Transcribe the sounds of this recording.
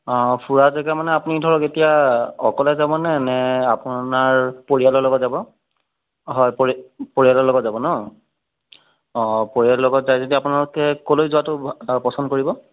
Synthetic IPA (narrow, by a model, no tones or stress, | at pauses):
ɔ̃pʰuɹazɛɡamanɛapunidʱɔɹɔketijaɔkɔlɛzabɔnɛnɛapunaɹpoɹijalɔlɔɡɔtzabɔ | ɦɔjppoɹijalɔlɔɡɔtzabɔnɔ | poɹialɔlɔɡɔtzajzodiapunalʊkɛkolojzuatʊpɔsɔndkoɹibɔ